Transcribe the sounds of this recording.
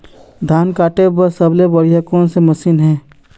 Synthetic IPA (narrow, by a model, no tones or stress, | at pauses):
d̪ʱaːnkaːʈebəɾsəblebəɽijakõːnseməsiːnɦɛ̃ː